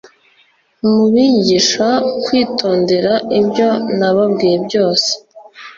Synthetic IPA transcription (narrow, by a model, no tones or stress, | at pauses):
muβiɲɟiʃakwiːtʰo̞ːnde̞ɾaibɟo̞naβab̚ɡiːje̞bɟo̞ːse̥